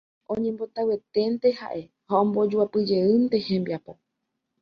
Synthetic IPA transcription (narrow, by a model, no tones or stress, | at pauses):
ʔõɲẽ̞mbo̞t̪awe̞t̪e̞nt̪e̞ha̰ʔe̞ | haõmbo̞d͡ʒuapɨd͡ʒe̞ɨnt̪e̞hẽ̞mbiapo̞